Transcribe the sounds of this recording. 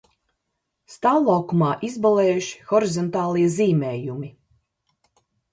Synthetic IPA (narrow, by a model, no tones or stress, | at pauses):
st̪awlˠawkumɑːʔizbalˠeːjuʃi̥xɔɾizɔnt̪ɑːlˠiɛziːmɛːjumi